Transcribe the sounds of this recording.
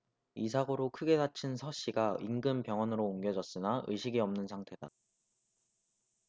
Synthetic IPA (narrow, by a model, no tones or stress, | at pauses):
is̬ʰaɡoɾokʰɯɡe̞dat͡ɕʰinsʰʌɕ͈iɡaiŋɡɯmpjʌŋɦwʌnɯɾoːŋɡjʌd͡ʑʌs͈ɯnaʔɯ̰ɕʰiɡiʌmnɯnsʰaŋtʰe̞da